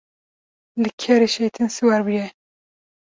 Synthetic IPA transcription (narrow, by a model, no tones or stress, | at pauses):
lɨkʰɛɾeʃejt̪ʰɨnsɨwaɾbujɛ